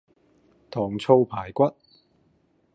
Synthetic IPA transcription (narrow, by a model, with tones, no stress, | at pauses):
t̪ʰɔː˨˩ŋt͡sʰo˧wpʰaː˨˩jkʷɐ˥t̚